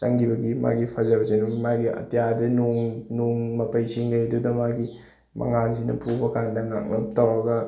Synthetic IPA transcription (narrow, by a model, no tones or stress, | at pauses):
t͡ʃaŋɡibɐɡima̰ɡipʰɐzabɐt͡ʃanumaɡiɐ̰tjadɐnoŋnuŋmɐpɐjsiŋɡajɐdudɐmaɡi | mɐ̰ŋansinɐ̰pʰubɐkandɐŋa̰k̚lɐp̚tawɾɐɡɐ